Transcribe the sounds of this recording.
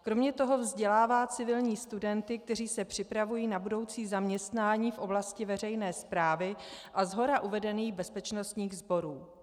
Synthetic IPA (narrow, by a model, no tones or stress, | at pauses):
kɾomɲɛt̪o̞ɦo̞vzɟɛlaːvaːt͡sɪvɪlɲiːst̪udɛnt̪ɪk̚t̪ɛr̝iːsɛpr̥ɪpɾavujiːnabudo̞wt͡siːzamɲɛst̪naːɲiːfʔo̞blascɪvɛr̝ɛjnɛːspɾaːvɪʔazɦo̞ɾaʔuvɛdɛniːɣbɛspɛt͡ʃno̞st̪ɲiːɣzbo̞ɾuː